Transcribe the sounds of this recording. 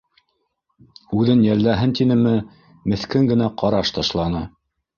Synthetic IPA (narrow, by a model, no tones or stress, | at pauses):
ʉðɘnjælːæɦɘnt̪inɘ̆mɘ | mɘ̆θkɘŋɡɘ̆næqɑɾɑʃt̪ɑʃlˠɑnɤ